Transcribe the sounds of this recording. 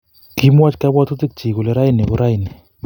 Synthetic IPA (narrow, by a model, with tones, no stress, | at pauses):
ki˨˦mwa˦t͡ʃka˦ba˦t̪u˦tɪ˦k̚t͡ʃi˨kʊ˨lɛ˦ɾa˦i˦nɛ˨kʊ˦ɾa˦i˨nɛ˨